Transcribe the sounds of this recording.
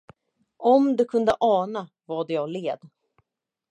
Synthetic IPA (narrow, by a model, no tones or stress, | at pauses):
ʔɔmd̪ɵkʰɵnd̪əʔɑːna | vaɖ̪ɛjɑːɡleːd̪